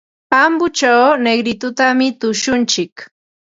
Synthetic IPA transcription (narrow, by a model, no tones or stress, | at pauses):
pambʊt͡ʃawneɡɾɪt̪ʊt̪amɪt̪ʊʃʊnt͡ʃɪk